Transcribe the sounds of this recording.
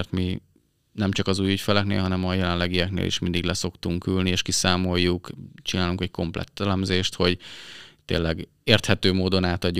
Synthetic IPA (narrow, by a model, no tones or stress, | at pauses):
rt̪mi | nɛmt͡ʃɒkɒzuːjycfɛlɛknḛːlɦɒnɛmɒjɛlɛnlɛɡijɛknḛːlʔḭʃmind̪iɡlɛso̞kt̪uŋkylnieːʃkisaːmo̞jːukt͡ʃinaːluŋkɛcko̞mplɛ̰t̪ːɛlɛmzeːʃt̪ho̞ɟt̪ḛːlːɛɡ | eːrt̪hɛt̪øːmoːd̪o̞naːt̪ɒɟːu